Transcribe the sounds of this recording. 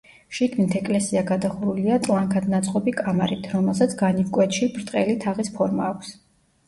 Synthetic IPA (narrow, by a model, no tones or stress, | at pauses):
ʃiɡnit̪ʰɛkʼlɛsiaɡad̪aχuɾuliat̪ʼlˠaŋkʰad̪nat̪sʼqʼɔbikʼamaɾit̪ʰɾɔmɛlˠs̬at̪sʰɡanivkʼwɛt̪ʃibɾt̪ʼqʼɛlit̪ʰaʁispʰɔɾmaːkʷʰs